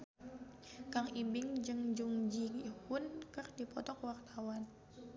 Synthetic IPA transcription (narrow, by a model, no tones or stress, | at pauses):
kaŋibɪŋd͡ʒɨŋd͡ʒuŋd͡ʒihʊnkɨrdipɔt̪ɔkwart̪awan